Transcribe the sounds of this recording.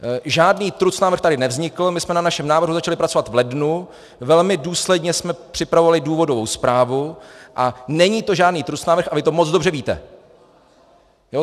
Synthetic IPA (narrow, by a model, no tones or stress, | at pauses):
ʒaːdniːt̪ɾut͡snaːvɾrxt̪adɪnɛvzɲɪkl̩mɪsmɛnanaʃɛmnaːvɾr̩ɦuzat͡ʃalɪpɾat͡so̞vat̪vlɛdnu | vɛlmɪduːslɛdɲɛsmɛpr̝̥ɪpɾavovalɪduːvo̞dovo̞wspɾaːvuʔanɛɲiːt̪o̞ʒaːdniːt̪ɾut͡snaːvɾrxʔavɪt̪o̞mot͡sdobr̝ɛviːt̪ɛ̰ | jo